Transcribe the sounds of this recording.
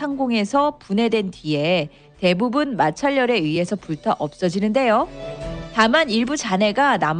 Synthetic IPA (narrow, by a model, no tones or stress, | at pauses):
aŋɡoŋe̞sʰʌpune̞dwe̞ntɥie̞ | te̞bubunmat͡ɕʰaʎːʌɾe̞ɥiɦe̞sʰʌpuɭtʰaʔʌp̚s͈ʌd͡ʑinɯnde̞jo | tamaniɭbut͡ɕane̞ɡanam